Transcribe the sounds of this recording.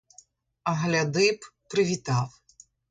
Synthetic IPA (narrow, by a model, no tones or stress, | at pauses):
ɐɦlʲɐd̪ɪppɾɪʋʲit̪ɑw